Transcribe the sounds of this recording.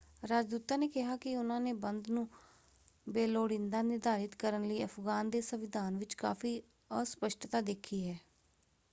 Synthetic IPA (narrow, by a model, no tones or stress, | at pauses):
ɾaːd͡ʒd̪uːt̪aːneːkɪɦaːkɪʊnãːneːbənd̪nũː | beːloːɽɪ̃nd̪aːnɪɾd̪aːɾɪt̪kəɾənləiːəpɡaːnd̪eːsəʋɪd̪ʱaːnʋɪt͡ʃka̰ːfʰiː | ɔːɾspəʃʈt̪aːd̪eːkʰiːɦɛː